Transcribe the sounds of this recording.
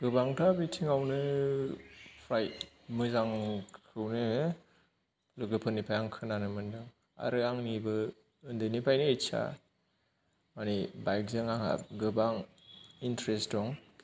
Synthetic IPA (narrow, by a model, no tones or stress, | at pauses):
ɡ̥ɯbaŋtʰabitʰiŋawnɯ | pʰɾajt̚ | mɯzaŋkʰɯwnɯ | lɯɡɯpʰɯnːipʰajaŋkʰɯnanɯmɯndɯŋ | a̰ɾɯaŋnibɯ | ɯndɯnipʰajnɯesa̰ | manibajk̚zɯŋaŋa̰ɡɯbaŋ | intɾestdɔŋ